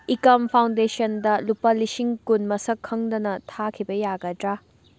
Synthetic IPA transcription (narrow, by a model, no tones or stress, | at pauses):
ikɐmpʰawndesɐndɐlupɐlisiŋkunmɐsɐkʰːɐŋdɐnɐtʰakʰibɐjaɡɐdɾa